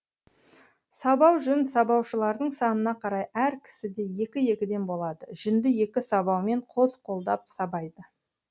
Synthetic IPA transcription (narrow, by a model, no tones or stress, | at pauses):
sɑbɑwʒʏnsɑbɑwʃəlˠɑɾd̪əɴsɑnənɑqʰɑɾɑjæɾkʲʰɪ̥sɪd̪e̞je̞kʲɪje̞kʲɪd̪e̞nbo̞lˠɑd̪əʒʏnd̪ɪje̞kʲɪsɑβɑwme̞ɴqʰo̞zqʰo̞lˠd̪ɑp̚sɑbɑjd̪ə